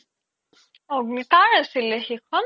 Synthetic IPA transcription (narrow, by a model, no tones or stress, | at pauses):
ɔɡnit̪aɹəsilexikʰɔn